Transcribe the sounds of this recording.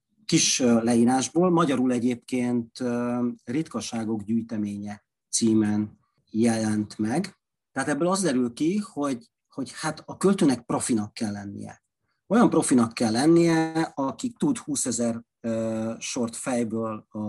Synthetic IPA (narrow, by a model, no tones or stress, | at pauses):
kiʃlɛiːɾaːʒboːlmɒɟɒɾulɛɟeːp̚keːnt̪ | rit̪kɒʃaːɡo̞ɡɟyːjt̪ɛmeːɲɛ | t̪siːmɛn | jɛlɛnt̪mɛɡ | t̪ɛɦaːt̪ɛbːøːlɒzd̪ɛɾylkiho̞ɟ | ho̞ɟhat̪ɒkølt̪øːnɛk̚pro̞finɒkːɛlːɛnːḭjɛ̰ | o̞jɒmpro̞finɒkːɛlːɛnːijɛɒkit̪ud̪huːsɛzɛr | øʃo̞rt̪fɛjbøːl